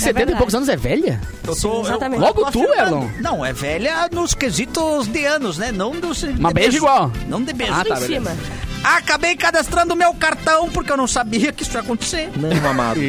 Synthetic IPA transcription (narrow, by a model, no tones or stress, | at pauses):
set̪ẽnt̪ɐjpowkʊzɐ̃nʊzɛvɛʎɐ̰ | ewsozat̪ɐ̃lɔɡʊt̪uɛɾllõ̰nɐ̃w̃ɛ̰vɛʎɐnʊskezit̪ʊzd̪ɪɐ̃nʊznɛnɐ̃w̃d̪ʊsmɐbeʒɐiɡwawnɐ̰̃w̃d̪ɪebeʒat̪abelemɐ | akabejkad̪ast̪ɾɐ̃nd̪ʊmɪawkaɾt̪ɐ̃w̃pʊɾkɪewnɐ̃w̃sabiɐkɪisʊiakõnt̪e̥seɾɐ̃ama̰d̪